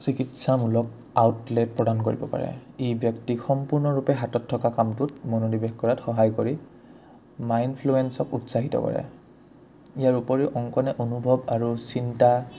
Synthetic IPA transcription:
sikitsamulɔk̚ | awtlɛt̚pɹɔdankoɹibɔpa̰ɹɛ̰ebjɔktixɔmpuɹnɔɹupɛɦatɔtʰːɔkakamtut̚mɔnodibexkɔɹatxɔɦajkoɹi | majnpʰluɛnsɔkutsaɦitɔ̰kɔ̰ɹɛ̰ | ijaɹupɔɹiʔɔŋkɔnɛʔonubʱɔbaɹusinta

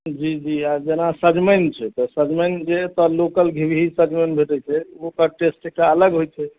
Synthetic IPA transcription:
d͡ʒid͡ʒiad͡ʒenasəd͡ʒmənt͡ʃʰɛt̪ɔsəd͡ʒmənt͡ʃɛt̪ɔlokəlɡʱibiɦisəd͡ʒmənbʱeʈɛt͡ʃʰɛokəʈesʈekaələɡɦojt͡ʃʰɛ

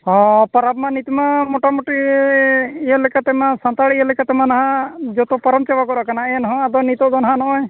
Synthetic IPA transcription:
ɔ̃pɔɾabmanit̪imamɔʈamɔʈi | jəlɛkat̪ɛmãsant̪aɭəlɛkat̪ɛmanaɦãd͡ʒɔt̪ɔpɔɾɔmt͡ʃɛbakɔɾakanaɛnɔɦɔ̃ad̪ɔnit̪ɔd̪ɔnɦanɔʔɔ̃j

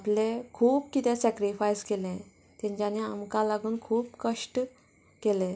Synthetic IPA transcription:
aplekʰuːpkit̪ɛ̃sɛkɾifajskelɛ̃ | t̪ɛ̃ɲt͡ɕanea̰mkalaɡuːnkʰuːpkəʂʈ | kelɛ̃

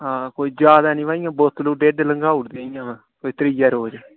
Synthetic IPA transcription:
ɦãːkoːiːd͡ʒaːd̪aːnĩːʋaːĩãːbɔːt̪ːloːɖeɖləŋɡaːʊɽd̪aijãːʋɛ̃ː | koːit̪əɾijaːɾoːd͡ʒ

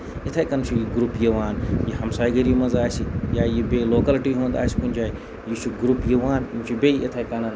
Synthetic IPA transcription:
et̪ʰaːjkɐnt͡ʃʰijiɡɾupjiʋaːnjiɦɐmsaːjɡɐɾimɐnzaːsijaːjibeloːkɐlʈiɦõːnd̪a̰ːsi̥kunʲd͡ʒaːi | jit͡ʃʰuɡɾupjiʋaːnmt͡ʃʰibeiʔɐt̪ʰaːikɐnɐn

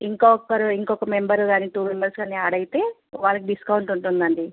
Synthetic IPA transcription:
iŋkokːɐɾuiŋkɔkɐme̞mbɐɾɡaːniʈuːmembɐɾskɐnːiaːɽɐjit̪e̞ːʋaːɭːɐk̬iɖiskɐwuɳʈuɳʈund̪ɐɳɖi

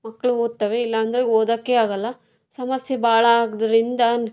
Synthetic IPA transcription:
mɐkːɐɭuoːd̪̚t̪ɐʋeilːɐːnd̪ɐɾeoːd̪aːkːeaːɡɐlːɐ | sɐmɐsjebaːɭɐaːɡd̪ɐɾind̪ɐ

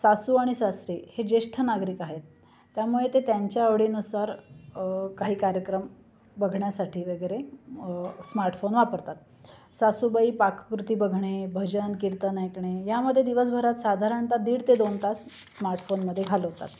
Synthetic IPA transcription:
sasuaɽ̃isast̪ɾiːhed͡ʑeʂʈʰənaɡɾiːkaɦet̪ː | jamuɭet̪et̪jaɲt͡ɕjaəʋɽinusaɾ | kaɦiːkaɾjəkɾəm | bəɡʱɳjasaʈʰiːʋəɡəɾe | smaɾʈfonʋapəɾt̪at̪ | sasubəiːpakkɾut̪iːbəɡʱɳ̃ebʱəd͡ʑənkiɾt̪ənajkɳ̃ejaməd̪ʱːjed̪iʋəs̬bʱəɾat̪sad̪ʱaɾənt̪ad̪iːɽt̪ed̪ont̪asː | maɾʈfonməd̪ʱːjeɡʱaləɦot̪a̰t̪

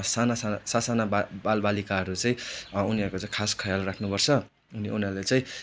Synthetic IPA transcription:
sanasasasanababalbalikaɦʌɾut͡saĩuniʌrkot͡saĩkʰaskʰʌjalrakʰnupʌrt͡sʰʌ | uniunalet͡sãĩ

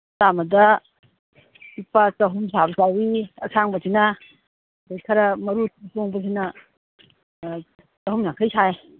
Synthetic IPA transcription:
tamɐdɐ | ipat͡ʃɐɦumsʰabɐsawiɐsʰaŋbɐsinɐ | bejkʰɐɾɐmɐɾutsoŋbɐs̬inɐ | t͡ʃɐhumnakʰɐjsaj

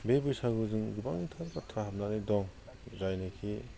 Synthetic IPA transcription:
bebujsaɡɯzɯŋɡibaŋitʰaɾkatʰɾaɦap̚nanidɔŋ | zajnekʰi

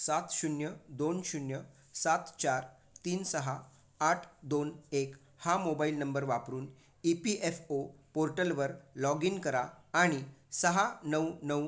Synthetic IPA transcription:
sat̪ɕunjəd̪onɕunjə | sat̪t͡ɕaɾ | t̪iːnsəɦaː | ʈʰd̪onek | hamobailnəmbəɾʋapɾuːn | ipiʔefopoɾʈəlʋəɾlɔɡinkəɾaːɽ̃isəɦanəwnəw

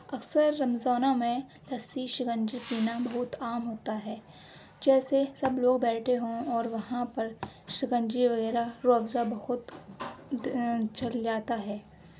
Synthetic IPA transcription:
ɐksəɾːɐmzaːnamẽ | lɐsiʃɪɡə̃nd͡ʒipiːnabɐɦʊt̪aːmɦoːt̪aɦɛː | d͡ʒɛːsesɐbloːɡbɛːʈʰeɦõɔːɾʋɐɦãpɐɾʃɪɡə̃nd͡ʒiʋɐɣɛːɾaɾoːbzabɐhʊt̪ | t͡ʃɐld͡ʒaːt̪aɦɛː

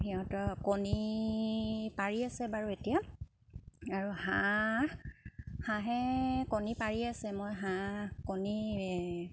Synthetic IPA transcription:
ɦiɦɔ̃tɔkoni | paɹiasɛbaɹuetija | aɹuhã | hãɦɛkonipaɹiasɛmojɦãkoni

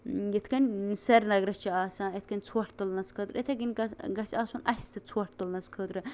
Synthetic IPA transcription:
jet̪ʰkɐnʲsɐɾnɐɡɾɐt͡ʃʰiaːsãːjet̪ʰkɐnʲt͡sʰwɐʈʰt̪olnɐt͡skʰəːt̪ɾet̪ʰɐɡinʲɡɡɐsʲaːsunɐ̰sʲt̪ʰɨt͡sʰuwɐʈ̚ʰt̪olnɐt͡skʰəːt̪ɾɨ

